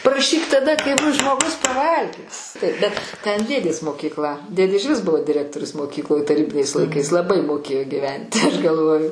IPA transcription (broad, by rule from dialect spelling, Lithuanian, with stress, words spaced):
prɐˈʃʲiːk tɐˈdɐ kɐɪ ˈbʊs ʒmoːˈɡʊs pɐˈʋɐlʲɡʲæːs bʲɛt tʲɛn ˈdʲeːdʲeːs moːkʲiːkˈlˠɐ ˈdʲeːdʲeː ɪʒʲˈʋʲɪs ˈbʊʋoː dʲɪˈrʲæːktoːrʲʊs moːˈkʲiːklˠoːj tɐˈrʲiːbʲɪnʲɛɪs lˠɐɪˈkɐɪs lˠɐˈbɐɪ moːˈkʲeːjoː ɡʲɪˈʋʲɛnʲtʲɪ ɐʃ ɡɐlˠˈʋoːjʊ